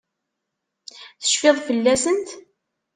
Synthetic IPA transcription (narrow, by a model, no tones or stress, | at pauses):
θə̥ʃfeðˤfəlːæsənt̪